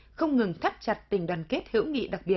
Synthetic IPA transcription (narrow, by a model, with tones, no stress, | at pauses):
xə˧wŋ͡mŋɨ˨˩ŋt̪ʰa˦˥p̚t͡ɕa˨˩t̚t̪ï˨˩ŋ̟ɗwaː˨˩nke˦˥t̚hɨ̰˧˥wŋḭ˧˨ɗa˨˩k̚ɓi˨˩ət̚